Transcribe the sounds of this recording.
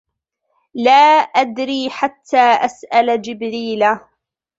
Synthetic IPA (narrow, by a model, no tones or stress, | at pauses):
laːʔad̪ɾiːħat̪ʰːaːʔasʔald͡ʒɪbɾiːla